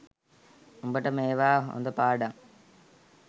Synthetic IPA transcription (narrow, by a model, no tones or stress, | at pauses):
umbɐʈːɐmeːʋaːo̰nd̪ɐpaːɽɐŋ